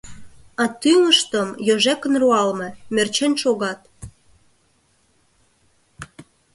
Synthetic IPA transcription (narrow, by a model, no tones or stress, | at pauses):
ɑt̪yŋəʃt̪əmjoʒekənruɑlmemert͡ɕenʃoɣɑt̪